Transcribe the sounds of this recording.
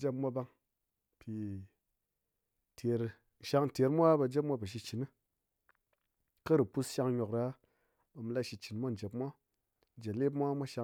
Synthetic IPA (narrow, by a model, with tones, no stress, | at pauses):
d͡ʒe˦pmʷa˧ba˧ŋ | pi˨˧˨ | tʰe˨ɾ | n̩˨ʃa˧ŋ˨te˨˦ɾmʷa˦ba˧d͡ʒe˦pmʷa˧pə˨ʃ̬i˧t͡ʃi˨nɨ˦ | kɐ˦ɾu˨pu˦˧sʃa˧ŋɲo˨kɾa˦ | ba˧m˧la˦ʃi˧t͡ʃi˨nmʷ˦a˦n̩˨d͡ʒe˨pmʷ˦a˦ | n̩˨d͡ʒe˨le˦p̬mʷ˦a˦mʷa˦ʃa˧